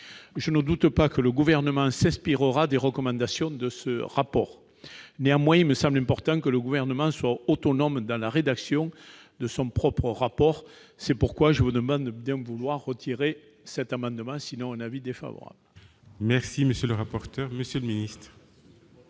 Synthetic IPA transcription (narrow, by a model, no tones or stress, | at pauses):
ʒənəd̪ut̪əpakələɡuvɛʁnəmɑ̃sɛ̃spiʁəʁad̪eʁəkɔmɑ̃d̪asjɔ̃d̪əsəʁapɔʁ | neamwɛ̃ilməsɑ̃mblɛ̃mpɔʁt̪ɑ̃kələɡuvɛʁnəmɑ̃swaot̪ɔnɔmd̪ɑ̃laʁed̪aksjɔ̃ | d̪əsɔ̃pχɔpχəʁapɔʁ | sɛpuʁkwaʒəvud̪əmɑ̃d̪bjɛ̃vulwaʁːət̪ʰiʁe | sɛt̪amɑ̃d̪əmɑ̃sinɔ̃ɛ̃navid̪efa̰vɔ̰ʁa̰blə | mɛʁsiməsjøləʁapɔʁt̪œʁməsjələminist̪χ